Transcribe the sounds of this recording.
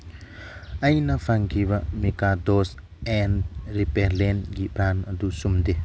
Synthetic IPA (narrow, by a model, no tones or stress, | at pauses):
ɐjnɐpʰaŋkʰibamikad̪os | ɛnɾipeɾlenɡipɾanɐd̪usumd̪e